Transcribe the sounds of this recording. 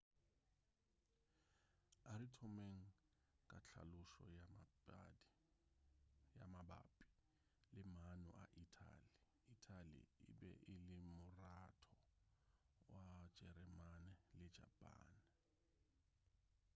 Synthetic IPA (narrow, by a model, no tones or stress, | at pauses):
aɾitʰɔmeŋ̩ | kʼat͡ɬʰa̰lʊʃɔ̰ja | jamaba̰ːpʼi̥ | lɪmanʊ̰ʔaʔitʰa̰li | itʰʼalḭɪ̰bɛʔɪlɪmʊratʰɔ | wḁd͡ʒ̥ɛɾɛmanɪlɪ̥d͡ʒa̰pʼa̰ːnɪ